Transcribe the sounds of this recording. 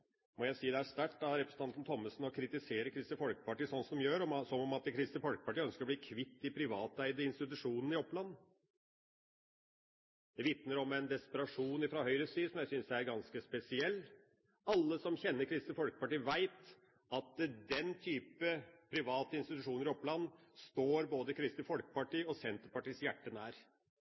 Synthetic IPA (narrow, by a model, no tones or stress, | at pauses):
mɔjæɪsiːd̪ɛæʂt̪æʈːɑʋɾɛpɾəsn̩t̪ɑnən̩t̪ʰɔmːəsn̩ɔkʰɾɪt̪ɪseːɾəkʰɾɪst̪əfɔlkə̥pɑʈiːsɔnsɔmjøːɾɔsɔmɔmɑt̪̚d̪ɛkʰɾɪst̪əfɔlkə̥pɑʈiːœnskəɾɔbliːkʰʋɪt̪ːɪpʰɾɪʋɑːt̪æɪd̪əɪnst̪ɪt̪ʉʂuːnən̩ɪɔplɑnː | d̪ɛʋɪt̪nəɾɔmɛɪnd̪ɛspəɾɑʂuːnɪfɾɑhœʏɾəsiːsɔmjæɪsʏnsæɾɡɑnskəspɛsɪɛlː | ɑlːəsɔmçɛnːəɾkʰɾɪst̪ɪfɔlkə̥pɑʈiːʋæɪt̪ | ɑt̪d̪ɛnt̪ʰyːpəpʰɾɪʋɑːt̪əɪnst̪ɪt̪ʉʂuːnəɾɪɔpːlɑnːst̪oːɾboːd̪əkʰɾɪst̪ɪfɔlkə̥pɑʈiːɔsɛnt̪əɾpɑʈiːsjæʈːənæːɾ